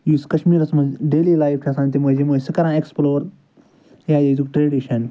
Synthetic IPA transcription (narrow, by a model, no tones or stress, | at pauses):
juːskɐʃmiːɾɐsmɐzɖeːliːlaːjfkʰasãːnt̪imoːzimoːsɨkɐɾãːeksploːɾ | jaːjezukʈɾeːɖiʃɐn